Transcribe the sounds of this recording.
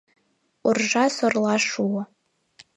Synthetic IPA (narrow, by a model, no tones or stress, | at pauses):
urʐasorlaʂuwa